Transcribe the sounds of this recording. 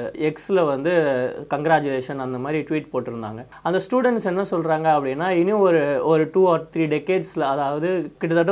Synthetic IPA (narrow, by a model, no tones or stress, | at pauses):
ɛksɪlɐʋɐnd̪ɯkɐŋɡɾaːt͡ʃʊleːʂɐnɐnd̪ɐmaːd̪ɾiʈʋiːʈpoːʈːɪɾɯnd̪a̰ːŋɡɐ | ɐnd̪ɐsʈjuːɽɛɳʈsɛnːɐsɔlɾaːŋɡɐɐpːɐɽɪnːaːɪnːĩɔɾɯɔɾɯʈuːɔːɾt̪ɾiːɖɛkːeːɖslɐɐðaːʋɐðɯkɪʈːɐt̪ɐʈːɐ̃